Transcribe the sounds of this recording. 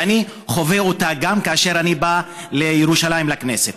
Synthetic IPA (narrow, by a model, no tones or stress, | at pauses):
ani | χo̞veotaɡamkaaʃe̞ʁaniba | le̞jeʁuʃalajimlakne̞set